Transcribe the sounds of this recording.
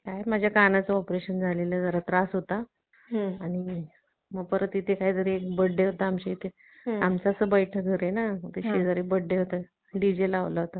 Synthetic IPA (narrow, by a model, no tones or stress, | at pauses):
kajmad͡ʑʱjakanat͡səɔpɾeɕənd͡zʱaleləd͡zəɾat̪ɾasɦot̪a | aɽ̃i | məɡ̚pəɾət̪it̪ʰekaɦid͡z̪əɾeːkbəɖːeɦot̪aamɕiit̪ʰe | amt͡sasəbəjʈʰəɡʱəɾenat̪eɕed͡zəɾekbəɽːeɦot̪ə | ɖid͡ʑelaʋlaɦot̪a